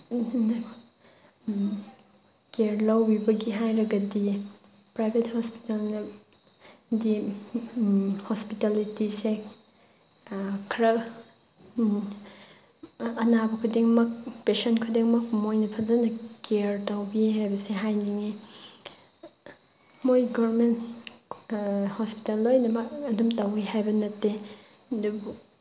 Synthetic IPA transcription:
n | keɾlawbibɐɡiɦajɾɐɡɐdi | pɾajbʱethɔspi̥talnɐ | di | hospitalitise | kʰɾɐ | ɐnabɐkʰudiŋmɐk̚pesɐnkʰudiŋmɐk̚mojnɐpʰɐzɐnɐkeɾtawbihajbɐseɦajniŋi | mojɡɔɾmen | hɔspi̥talːojnɐmɐk̚ɐdumtawiɦajbɐnɐtːedub

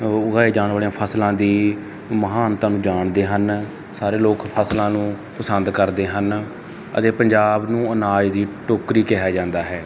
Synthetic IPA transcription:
ʊɡaːeːd͡ʒaːnʋaːlijãːpʰəslãːd̪iː | məɦaːnt̪ãːnũːd͡ʒaːɳd̪eːɦən | saːɾeːloːkpʰəslãːnũː | pəsənd̪kəɾd̪eːɦən | ə̰t̪eːpəɲd͡ʒaːbnũːənaːd͡ʒd̪iːʈoːkɾiːkɛɦaːd͡ʒãːnd̪aːɦɛː

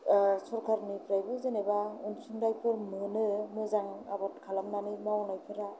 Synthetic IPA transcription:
sɔɾkʰaɾnɯpʰɾajbɯzenebaunsuŋdajpʰɯɾmɯnɯmɯzaŋabɔtkʰalamnanimaɔnajpʰɯɾa

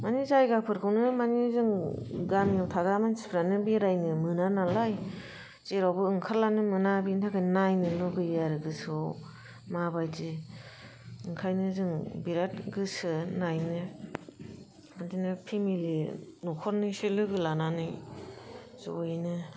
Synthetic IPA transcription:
manizajɡapʰɯɾkʰɯwnɯmanizɯŋɡamnawtʰaɡɾamansi̥pʰɾanɯbiɾajnɯmɯnanalaj | zeɾawbɯɯŋkʰaɾlanɯmɯnabintʰakʰɯjnajnɯlɔɡɯjaɾɯɡɯs | mabajdi | ɯŋkʰajnɯzɯŋbiɾatɡɯsɯnajnɯ | andinɯpʰimilinukʰɔɾnɯselɯɡɯlananɯj | zojnɯ

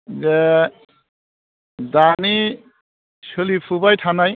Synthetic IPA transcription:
ze | dani | sɯlipʰubajtʰanaj

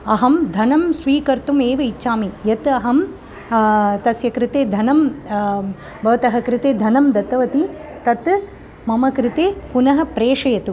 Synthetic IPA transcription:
ɐɦɐmd̪ʱɐnɐmsʋiːkɐɾt̪umeːʋɐiːt͡ʃːʃaːmijɐt̪ɐɦɐm | t̪ɐsjɐkɾɪt̪eːd̪ʱɐnɐm | bʱɐʋɐt̪ɐɦɐkɾɪt̪eːd̪ʱɐnɐmd̪ɐt̪ːɐʋɐt̪it̪ɐt̪ | mɐmɐkɾɪt̪eːpunɐɦɐ̆pɾeːʂɐjɐt̪u

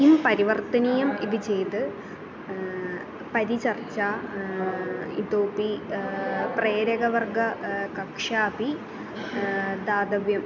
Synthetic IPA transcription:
impɐɾiʋɐrt̪ɐnijɐmiðɨt͡ɕe̞jt̪ɨ | pɐɾit͡ɕɐrt͡ɕa | ḭt̪oːpi | preːɾɐɡɐʋɐrɡɐkɐkʂaːpi | d̪aːd̪ɐʋjɐm

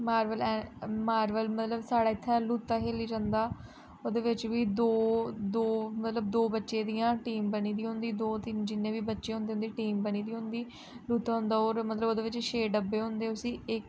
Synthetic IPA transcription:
maːɾʋəlɛmaːɾʋəlmət̪ləbsaːɽaːɪt̪ʰːɛ̃ːluːt̪ːaːɦeːliːd͡ʒãːnd̪aː | oːd̪eːʋɪt͡ʃʋiːd̪oːd̪oːmət̪ləb̚d̪oːbətːʃẽːd̪ijãːʈiːmbəniːd̪iːɦõnd̪iːd̪oːt̪ɪnd͡ʒɪnːẽːʋiːbətːʃeːɦʊ̃nd̪eːʊ̃nd̪iːʈiːmbəñiːd̪iːɦʊ̃nd̪iː | luːt̪aːɦʊ̃nd̪aːoːɾmət̪ləboːd̪eːʋɪt͡ʃʃeːɖəbeːɦʊ̃nd̪eːʊsĩːɪk

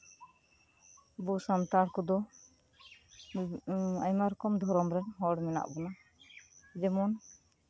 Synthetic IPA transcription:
busant̪aɽkɔd̪ɔ | ajmaɾɔkɔmd̪ʱɔɾɔmɾɛnɦɔɽmɛna̰ʔbɔna | ɛd͡ʒɛmɔn

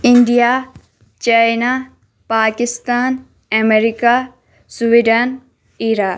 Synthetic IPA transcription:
iɳɖija | t͡ʃajna | paːkist̪aːn | ɛmeɾika | suʋiɖan | iɾaː

